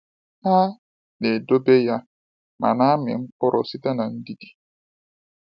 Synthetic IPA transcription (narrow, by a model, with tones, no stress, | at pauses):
a˦ | ne˨do˦be˦ja˦ | ma̰˨na˦a˦mɪ̰˨ŋ̩˦kʊ˦ɾʊ˨si˦ta˦na˨n̩˦di˦di̥˨